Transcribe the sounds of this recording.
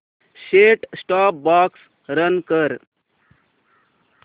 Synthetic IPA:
ʃeːʈsʈaːp̚baːks | ɾənkəɾ

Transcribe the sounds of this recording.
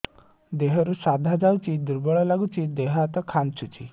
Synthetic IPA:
d̪eɦɔɾusad̪ʱad͡ʒawt͡ʃʰid̪uɾbɔɭɔlaɡut͡ʃʰid̪eɦat̪ɔkʰant͡ʃʰut͡ʃʰḭ

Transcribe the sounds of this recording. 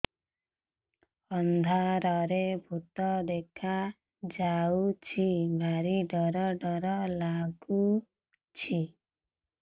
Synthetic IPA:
ɔnd̪ʱaɾɔɾebʱut̪ɔd̪ekʰa | d͡ʒawt͡ʃʰibʱaɾiɖɔɾɔɖɔɾɔlaɡu | t͡ʃʰi

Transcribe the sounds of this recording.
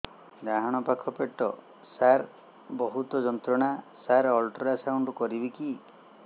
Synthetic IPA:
d̪aɦɔɽ̃ɔpakʰːɔpeʈːɔ | saɾ | bɔɦut̪ɔd͡ʒɔnt̪ɾɔɽ̃asaɾɔlʈɔɾasauɳɖukɔɾibiki

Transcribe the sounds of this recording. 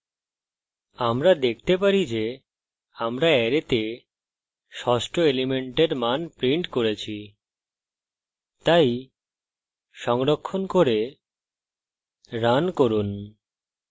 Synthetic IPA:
amɾad̪ek̚ʰt̪epaɾid͡ʑe | amɾaɛɾet̪e | ʃɔsʈʰoelimeɳʈeɾmanpɾiɳʈkoɾet͡ɕʰi | t̪aj | ʃɔŋɾokʰːonkoɾe | ɾankoɾun

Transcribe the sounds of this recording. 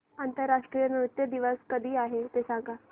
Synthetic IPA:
ant̪əɾːaʂʈɾijəniʋit̪jəd̪iʋəskəd̪ʱiːaɦet̪esãŋɡa

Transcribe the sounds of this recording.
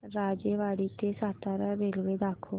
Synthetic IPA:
ɾaːd͡ʒeːʋaːɽiːt̪eːsaːt̪aːɾaɾeːlʋeːd̪aːkʰoː

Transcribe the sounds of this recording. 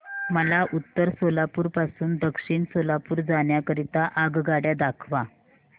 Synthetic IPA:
məlaʔut̪ːəɾsolapuːɾpasuːnd̪əkʂiːɳsolapuːɾd͡zaɳjakəɾit̪aʔaɡɡaɽjad̪akʰʋa

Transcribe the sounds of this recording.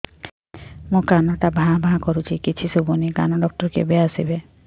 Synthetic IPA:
mũkanɔʈabʱãɦbʱãɦakɔɾut͡ʃʰikit͡ʃʰisubunikanɔɖɔk̚ʈɔɾkḛbeasibe

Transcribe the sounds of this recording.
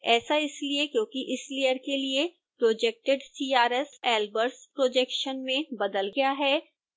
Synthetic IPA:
ɛːsaɪsliekjõːkiʔɪslijəɾkelie | pɾoːd͡ʒek̚ʈɪɖsiːaːɾɛsɛːlbəɾspɾoːd͡ʒɛkʃənmẽbɐd̪əlɡɐjaɦɛː

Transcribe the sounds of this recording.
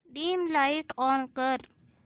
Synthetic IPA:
ɖiːmlaɪʈɔːnkəɾ

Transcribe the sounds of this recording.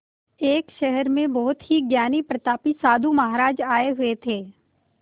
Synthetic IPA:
eːkʃɛɦɛɾmẽbɔɦʊt̪ɦiɡjaːnipɾɐt̪aːpisaːd̪ʱumɐɦaːɾaːd͡ʒaːeɦʊet̪ʰeː

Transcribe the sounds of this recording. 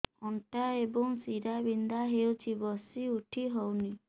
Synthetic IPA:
ɔɳʈaebɔŋsiɾabind̪aɦewt͡ʃʰibɔsiuʈʰiɦɔwni

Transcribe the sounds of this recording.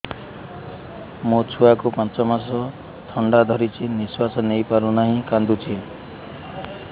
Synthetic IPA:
mũt͡ʃʰuakupãnt͡ʃɔmasɔ | t̪ʰɔɳɖad̪ʱɔɾit͡ʃʰiniswasɔnejpaɾũnaɦĩkand̪ut͡ʃʰi

